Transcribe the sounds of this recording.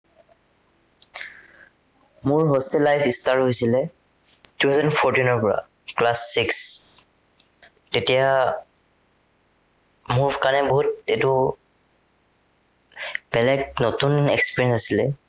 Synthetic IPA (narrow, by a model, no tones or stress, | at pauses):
mʊɹɦostɛlːajpʰistaɹɦojsilɛ | tuɦɛznpʰɔɹtinɔɹpɔɹa̰ | klasːiks | tetija | mubʱkanɛboɦut̚etu | b̥ɛlɛk̚notunekspiɹĩnsnsasilɛ